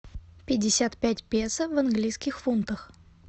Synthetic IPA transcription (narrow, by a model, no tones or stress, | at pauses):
pʲɪdʲːɪsʲat̪pʲætʲpʲesəvɐnɡlʲijskʲɪxfunt̪əx